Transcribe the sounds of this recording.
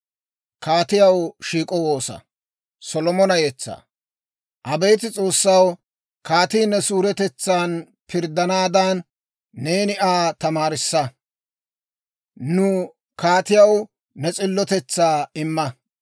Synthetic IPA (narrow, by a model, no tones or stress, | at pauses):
kaːt̪ɪjɐwʃiːkʼɔwoːsɐ̰ | sɔlɔmɔnɐjɛt͡sːa̰ | ʔɐbejt̪ɪt͡sʼo̞ːsːɐw | kaːt̪iːnːɛsuːɾɛt̪ɛt͡sːaːn | pʰɪɾd̪ɐnaːd̪aːnː | e̞ːnɪʔaːt̪ɐmaːɾɪsːɐ | nʊ | kaːt̪ɪjɐw | nɛt͡sʼɪlːɔt̪ɛt͡sːaːɪmːɐ